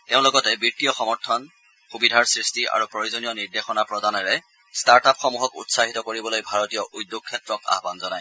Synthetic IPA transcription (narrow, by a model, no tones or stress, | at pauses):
teʊ̃lɔɡɔtɛbɹitijɔxɔmɔɹtʰɔn | xubidʱaɹsɹistiʔa̰ɹupɹojuzonijɔniɹdexɔnapɹɔdanɛɹɛ | staɹtapxɔmuɦɔkṵtsaɦitɔkoɹibɔlojbʱaɹɔtijɔʔujdːuk̚kʰːjɛtɹɔka̰ɦbanzɔnaj